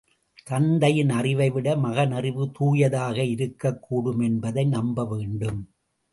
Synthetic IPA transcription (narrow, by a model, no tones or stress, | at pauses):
t̪ɐnd̪ɐjɪnɐrɪʋɐɪʋɪɽɐmɐɣɐnɐrɪʋɯt̪uːjɐðaːɣɐɪɾɯkːɐkːuːɽɯmɛnbɐðɐɪnɐmbɐʋeːɳɖɯm